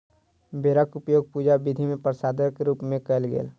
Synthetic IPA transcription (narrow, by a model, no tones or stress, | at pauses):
beɾakʊpjoːɡ̚puːd͡ʒabɪd̪ʱimẽpəɾsaːd̪əɾkeɾuːpmẽkəlɡḛːl